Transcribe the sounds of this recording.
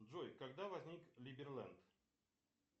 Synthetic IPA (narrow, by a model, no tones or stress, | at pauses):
d̪ʐojkaɡd̪avɐzʲnʲiklʲibʲɪrlˠɛ̰nt̪